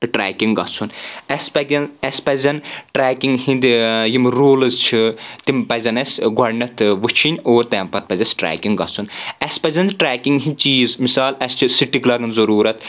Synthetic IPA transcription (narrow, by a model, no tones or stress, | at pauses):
ʈɾɛːkiŋɡɡɐt͡sʰunɛsʲpɐɡʲɐnɛsʲpɐzʲɐnʈɾeːkʲiŋɡhĩnd̪ijimɾoːlɨzt͡ʃʰit̪impɐzʲɐnɐsʲɡɐɾnɐt̪ʰʋut͡ʃʰinʲoːɾt̪ɛmpɐt̪̚pɐzʲɐsʲʈɾɛ̰ːkiŋɡɡɐ̰t͡sʰunɛsʲpɐzʲɐnd̪ʈɾeːkiŋɡɦĩnʲt͡ʃiːzmisaːlɐsʲt͡ʃʰisiʈːiklɐɡɨnzɐɾuːɾɐt̪